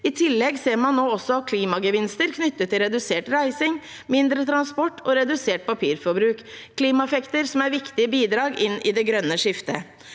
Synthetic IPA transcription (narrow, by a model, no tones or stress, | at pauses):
ɪt̪ʰɪlːɛɡseːɾmɑnːoːɔsːɔɑkʰliːmɑɡəʋɪnst̪əɾkʰnʏt̪ːət̪ʰːɪlɾɛd̪ʉseːʈɾæɪsɪŋ | mɪnd̪ɾət̪ʰɾɑnspɔʈːɔɾɛd̪ʉseːʈ̚pʰɑpʰiːɾfɔɾbɾʉːkkʰːliːmɑɛfɛkt̪əɾsɔmæɾʋɪkt̪ɪəbiːd̪ɾɑːɡʔɪnːʔɪd̪ɛɡɾœnːəʂɪft̪ə̰